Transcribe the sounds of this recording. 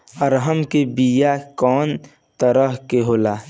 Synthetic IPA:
əɾɦəmkebijakɔːn | t̪əɾəɦkeɦoːlaː

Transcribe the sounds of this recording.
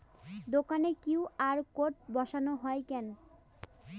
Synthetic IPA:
d̪okanekiwaɾkoʈ̚bɔʃanoɦɔekɛn

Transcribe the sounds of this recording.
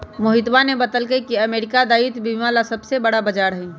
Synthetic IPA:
mʊɦɪt̪ʋanebɐt̪əlkəikiɐmeːɾɪkad̪aːit̪biːmalasɐbsebɐɽabɐd͡ʒaːɾɦɛ

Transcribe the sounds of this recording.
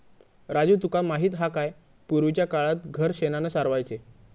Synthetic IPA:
ɾad͡zuːt̪ukamaɦiːt̪ɦakaj | puɾʋit͡ɕjakaɭat̪ɡʱəɾɕenanəsaɾʋajt͡se

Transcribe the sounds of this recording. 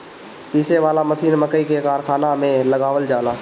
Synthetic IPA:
piːseʋaːlaməsiːnməkəikekaːɾkʰaːnamẽləɡaːʋəld͡ʒaːlaː

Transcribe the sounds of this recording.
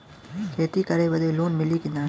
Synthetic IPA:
kʰeːt̪ikɐɾebɐd̪eluːnmɪlikinaː

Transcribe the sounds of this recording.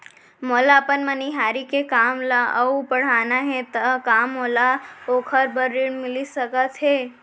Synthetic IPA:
molapənməniɦaːɾikekamlaəupəɽ̤aːnaɦẽt̪əkamːolaoːkʰəɾbəɾːiɳmɪlisəkət̪ɦe

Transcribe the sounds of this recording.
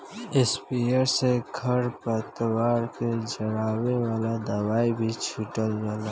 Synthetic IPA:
ɪspijəɾseɡʱəɾpət̪waːɾked͡ʒəɽaːwewaːlad̪əwaːibʱit͡ʃʰuʈəld͡ʒaːla

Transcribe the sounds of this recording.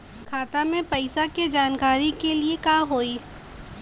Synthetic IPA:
kʰaːt̪amẽpɐɪsaked͡ʒaːnkaːɾikeliekaːɦoːiː

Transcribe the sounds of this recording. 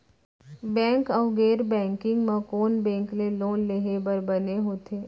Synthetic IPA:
bɛ̃ːŋkəʊɡeːɾbɛ̃ːŋkɪ̃ŋɡmãkoːnbɛ̃ːŋkleloːnleɦebəɾbəneɦoːt̪ʰeː

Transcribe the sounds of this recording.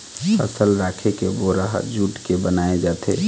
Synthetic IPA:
pʰə̰səlɾaːkʰekeboɾəɦd͡ʒuːʈkebənaːed͡ʒaːt̪e

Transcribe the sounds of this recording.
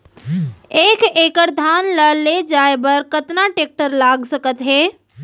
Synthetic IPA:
eːkeːkəɾd̪ʱaːnləled͡ʒaːebəɾkət̪naʈeːk̚ʈəɾlaːɡsəkət̪ɦɛː

